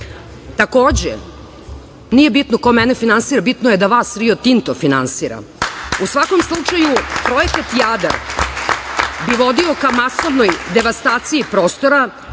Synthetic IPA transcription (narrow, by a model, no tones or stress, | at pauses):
t̪ako̞ːd͡ʑḛ | nije̞bit̪nokomɛnefinansiːɾabit̪nojed̪aʋaːsɾiot̪int̪ofinansiːɾa̰usʋako̞mslˠut͡ʂajupɾo̞je̞kat̪jad̪a̰ɾ | biʋo̞d̪io̞kamasoʋnojd̪eʋast̪aːt̪siipɾo̞ːst̪o̞ɾa